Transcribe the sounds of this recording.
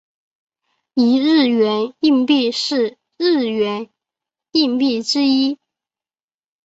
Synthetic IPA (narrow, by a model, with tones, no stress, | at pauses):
i˧˥ɻɻ̩˥˩ɥɛ˧˥ni˥˧ŋpi˥˧ʂɻ̩˥˧ | ɻɻ̩˥˩ɥɛ˧˥n | i˥˧ŋpi˥˩ʈ͡ʂɻ̩˥i˥